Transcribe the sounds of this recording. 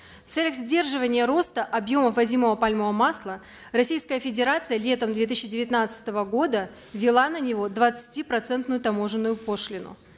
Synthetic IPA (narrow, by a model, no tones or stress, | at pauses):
ft̪sɛlʲəxzʲdʲe̞rʐɨvənʲɪjəɾo̞st̪əʔɐbjo̞məvɐzʲiməvəpalʲməvəmaslˠə | rɐsʲijskəjəfʲɪdʲɪɾat̪sɨjəlʲe̞t̪əmd̪vʲe̞t̪iɕːɪdʲɪvʲɪt̪nat̪sɨ̥t̪əvəɡo̞d̪ə | vʲːɪlˠanənʲɪvo̞d̪vət̪sɨ̥tʲipɾɐt̪sɛnt̪nʊjʊt̪ɐmo̞ʐɨnːʊjʊpo̞ʂlʲɪnʊ̰